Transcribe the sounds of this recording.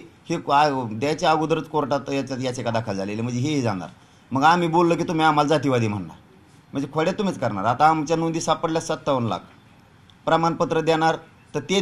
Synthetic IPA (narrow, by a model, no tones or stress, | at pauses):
head̪at͡ɕjaːɡud̪ɾət͡skoɾʈat̪jat͡ɕatjat͡ɕekad̪akʰəld͡zʱalelem̤əɳd͡zeɦeɦed͡zaɽ̃a̰ɾ | məɡam̤iːbolːəːk̬iːt̪um̤iam̤ald͡zat̪iːʋad̪iːm̤əɽːa̰ɾ | m̤əɳd͡zekʰəɽat̪ːum̤it͡skəɾɳa̰ɾat̪aːmt͡ɕjanund̪iːsapəɽljasət̪ːəʋənla̰ɡ̚ | pɾamanpət̪ɾəd̪jaɽ̃aɾ | t̪əɾt̪e